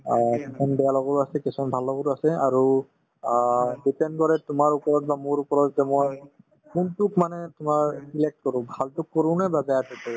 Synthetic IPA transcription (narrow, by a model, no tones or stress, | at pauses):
kisʰɔnbɛjalɔɡɔɾuasɛkesʰɔnbʱalɔɡɔɾasɛaɹu | ɖipɛnɖkɔɹɛtʊmaɹupɔɹɔt̚bamoɹupɔɹɔt̚ɡɛmɔj | kuntukmanɛtʊmaɹsilek̚ʈkɔɹũbʱaltukːɔɾũnɛbabɛatuɔ